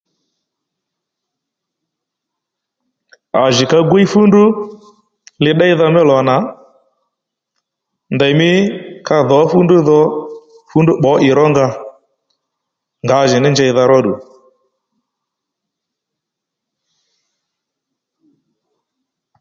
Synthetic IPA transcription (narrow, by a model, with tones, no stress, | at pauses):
a˨ʒɪ˨ka˧ɡwi˦fu˦ndu˦ | lɪ˧˦ɗa˦i˦ða˧mɛ˦lɔ˨na˨ | nda˨jmɪ˦ka˧ðɔ˨˦fu˦ndu˦ðɔ˦ | fu˦ndu˦ɓɔ˨˦ʔɪ˨ɾɔ˦ŋɡa˦ | ŋɡa˨˦ʒɪ˨nɪ˦nd͡ʒa˧i˧ða˧ɾɔ˦ɗu˨